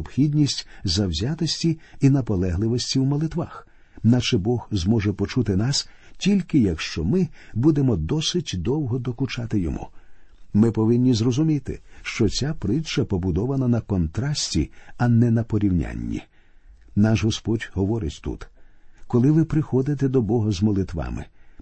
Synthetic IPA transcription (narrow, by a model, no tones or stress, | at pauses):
ɔb̥xʲidʲnʲisʲtʲzɐwzʲat̪ɔsʲtʲiinɐpɔlˠɛɦlˠɪʋɔsʲtʲiwmɔlˠɪt̪ʋax | naʃɛbɔhzmɔʒɛpɔt͡ʃut̪ɪnɑstʲilʲkɪjɐkʃt͡ʃɔmɪbud̪emɔd̪ɔsɪtʲd̪ɔwɦɔd̪ɔkʊt͡ʃat̪ɪjɔmṵmɪpɔʋɪnʲːizrɔzʊmʲit̪ɪ̰ʃt͡ʃɔt͡sʲapɾɪt͡ʃɐpɔbʊd̪ɔʋɐnɐnɐkɔnt̪ɾɑsʲtʲiɐnɛnɐpɔɾʲiwnʲa̰nʲːḭ | naʃɦɔspɔdʲɦɔʋɔɾɪtʲt̪ṵt̪kɔlˠɪʋɪpɾɪxɔd̪ɪt̪ɛd̪ɔbɔɦɐzmɔlˠɪt̪ʋɑ̰mɪ̰